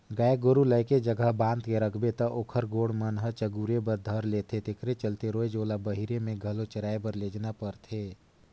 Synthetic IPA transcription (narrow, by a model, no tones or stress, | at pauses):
ɡəeɡʊɾuləɪked͡ʒəɡəɦbãːnd̪keɾəkʰbet̪ɐʔoːkʰəɾɡoːɽmənɦət͡ʃəɡuɾebəɾd̪ʱəɾleːt̪ʰet̪ekʰɾet͡ʃəlt̪eɾoːed͡ʒoːlabəɦiɾemẽɡʱəlot͡ʃəɾaːebəɾleːd͡ʒnapəɾt̪ʰeː